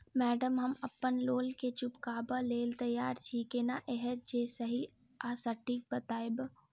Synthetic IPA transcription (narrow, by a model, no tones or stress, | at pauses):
mɛːɖəmɦɐmɐpːənloːlket͡ʃʊpkaːbəleːlt̪ɐjːaːɾt͡ʃʰiːkeːnaʔeɦɛt̪̚d͡ʒeːsɐɦi | aːsəʈik̚bət̪aːɪb